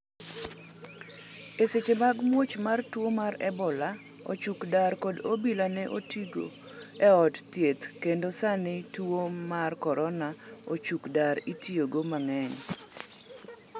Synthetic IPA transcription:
eset͡ʃemaɡmwot͡ʃmartwomaɾɛbɔla | o̰t͡ʃukdaɾkodobilanɛʔotiɡo̰ | ɛɔtt̪jet̪kendosanɪtwomarkɔɾɔnaot͡ʃukdaɾitioɡomaŋɛɲ

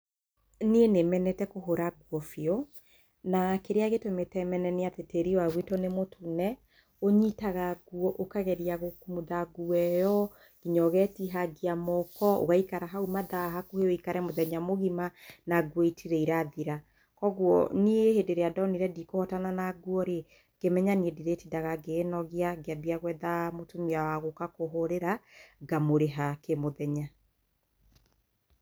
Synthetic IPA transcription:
nienemɛnɛtɛkoɦoɾaɡwɔfiɔ | nakeɾeaɣetometɛmɛnɛneateteɾiwaɣwitonemotʰunɛ | oɲitaɣaɡwɔʔokaɣɛɾiaɣokumuðaɡuɛjɔ | ɣ̥iɲɔɣɛtiɦaɡiamɔkɔo̰ɣaikaɾaɦaumaðaɦakoheoikaɾɛmoðɛɲamoɣimanaɡwɔitʰiɾɛiɾaðiɾa | kɔɣwɔniehedeɾeadɔniɾɛdikohɔtananaɡwɔɾe | kemɛɲaniɛdiɾetidaɣaɡeːnɔɣiaɡeabiaɣwɛðamotomiawaɣokakoɦoɾeɾaɡamoɾeɦakemoðɛɲa

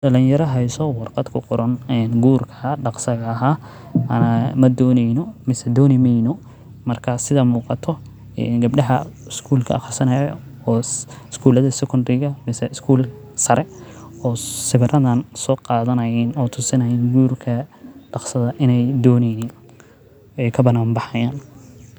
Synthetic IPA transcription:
ɖɐlɪjjɐɾɐɦɛjsɔwɑrqɑd̪kʰʊqʊɾɐnɛːnɡuːrkʰɐɖɑqsɐɣɐːɦaː | ʔɐnɐmɐd̪ɔːnɛjnɔmɪsɛd̪ɔːnɪmɛjnɔ | mɐrkʰɐsɪðɐmuːqɑt̪ʰɔ | ɛ̰nɡɐb̚ɖɐɦɐɪskʰuːlkʰɐ̰ʔɑχɑrsɐnɐjɔ̰ː | ɪskʰuːlɐðɐsɛkʰʊndɪɣɐmɪsɛɪskʰuːl | sɐɾɛ | ɔːsɪβɪrʔɐðɐnsɔːqɑːðɐnɐjɪnɔːt̪ʰʊsɪnɐjinɡuːrkʰɐɖɑqsɐðɐʔɪnɛjd̪ɔːnɛjnin | ɛjkʰɐbɐnaːmbɑħɑjaːn

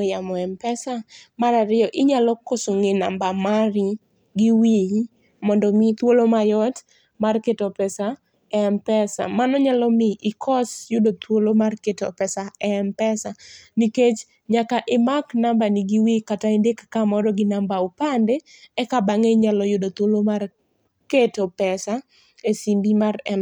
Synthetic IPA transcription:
jamɔɛmpɛsamaɾaɾɪjɔʔɪɲalɔkosʊŋɪna̰mbamaɾi | ɡiwi | mɔndɔmit̪wolomajɔt | marketɔpɛsa | ɛmpɛsa̰manɔɲalɔmɪʔɪkʰɔsjʊdot̪wolomarketo̰pɛsaɛmpɛsaniket͡ʃ | ɲakaʔɪmaknambanɪɡiwikataindekḁkamɔɾɔɡɪnambaopandeɛkabaŋeɲalɔjʊdot̪wolomar | ketopɛsa | esimbimarɛn

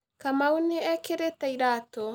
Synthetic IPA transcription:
kamauneɛkeɾetaiɾato

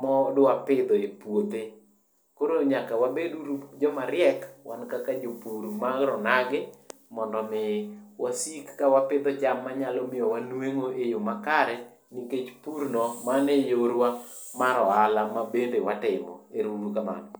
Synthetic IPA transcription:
mɔdwapɪd̪ɔepwot̪e | koɾoɲakawabeduɾud͡ʒɔmaɾjɛkwa̰nkakad͡ʒopuɾmaɾɔnaɡɪ | mɔndɔmɪwasikːawapɪd̪ɔd͡ʒamːaɲalɔmɪɔwanweŋoʔejomakaɾɛ | niket͡ʃpuɾnɔmanejoɾwa | maɾɔalamabendewatɪmɔ̰eɾuɾukama̰nɔ

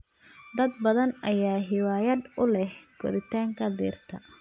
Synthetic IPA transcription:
d̪ɐd̪bɐðɐnʔɐjaːɦɪwaːjɐd̪ʊlɛhɡ̥ɔɾɪt̪ʰaːŋkʰɐd̪ḭːrt̪ʰɐ̰

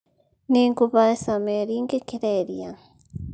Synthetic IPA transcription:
niːŋɡuβaesameɾiːŋɡekiɾeɾia

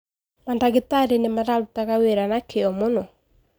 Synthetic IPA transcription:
mandaɣetaɾenemaɾaɾutaɣaweɾanakeɔmonɔ

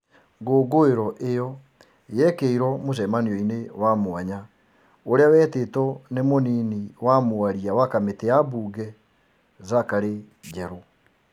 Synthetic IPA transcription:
ɡoːɡoeɾɔʔejɔ | jɛkeiɾɔmoʃ̬ɛmaniɔinewamoaɲa | oɾeawɛːtetɔnemoniːniwamoaɾiawakameteabuːɡɛ | zakaɾe | d͡ʒɛɾo

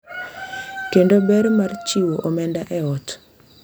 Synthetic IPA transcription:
kendobɛɾmart͡ʃiwoʔomɛndaʔɛɔt

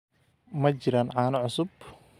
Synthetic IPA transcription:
mɐt͡ʃɪɾaːnʕɑːnɐʕʊsʊb̚

